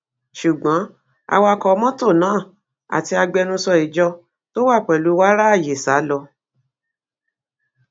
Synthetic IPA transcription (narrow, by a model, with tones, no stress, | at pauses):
ʃu˨ɡ͡bã˨˦ | a̰˧wa˧kɔ˧˦mɔ̃˦to˦˨nãː˨˦˨ | a̰˨ti˧a˧ɡ͡bɛ˧nũ˧sɔ˧i˨d͡ʒɔ˧ | to˦wa˦˨k͡pɛ˨lu˨˦wa˦ɾa˦˨je˨sa˨˦lɔ˧